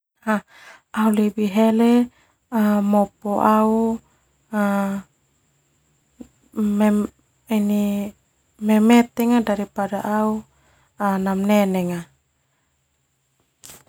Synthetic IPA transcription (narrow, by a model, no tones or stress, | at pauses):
ha | aulebiɦɛlɛ | amɔpɔʔau | a | m | ini | mɛmɛt̪ɛŋadaɾipadaʔau | anamnɛnɛŋa